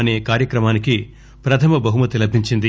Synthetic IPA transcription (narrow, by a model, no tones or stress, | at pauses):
ɐne̞ːkaːɾjɐkɾɐmaːniki | pɾɐt̪ʰɐmɐbɐɦumɐt̪ilɐbʱiɲt͡ʃind̪i